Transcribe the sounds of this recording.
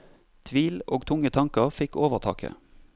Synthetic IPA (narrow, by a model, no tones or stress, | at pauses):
t̪ʰʋiːloːɡt̪ʰʊŋət̪ʰɑŋkəʁfɪkoːʋəʁt̪ʰɑ̰ːkʰə̰